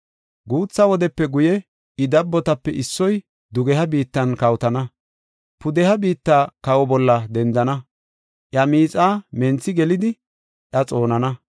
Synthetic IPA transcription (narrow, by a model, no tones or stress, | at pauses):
ɡuːt͡sːɐwɔd̪ɛpːɛɡʊjɛ | ɪd̪ɐbːɔt̪ɐpːɛʔɪsːɔj | d̪ʊɡɛhɐbiːt̪ːɐnkɐwt̪ɐnɐ | pʊd̪ɛhɐbiːt̪ːaːkɐwɔbɔlːɐd̪ɛnd̪ɐnɐ | ʔjɐmiːt͡sʼaːmɛnt͡sːɪɡɛlɪd̪ɪ | ʔjɐt͡sʼo̞ːnɐnɐ